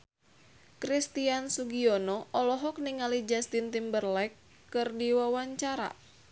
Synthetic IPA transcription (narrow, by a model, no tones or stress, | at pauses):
kɾist̪iansuɡiɔnɔʔɔlɔɦɔk̚niŋalid͡ʒast̪int̪imbərlɛkː | ɨrdiwawaɲt͡ʃaɾa̰